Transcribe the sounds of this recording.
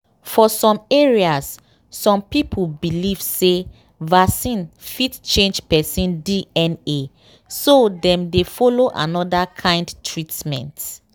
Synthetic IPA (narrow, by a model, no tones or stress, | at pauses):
fɔsɔ̃meɹias | sɔ̃mpipʰulbiliv̥se | vasĩnfitt͡ʃẽnd͡ʒpɛsĩndiɛne | sodɛ̃mdefɔloʔa̰nɔdakʰãɪ̃ndtʰɹitmɛ̰̃nt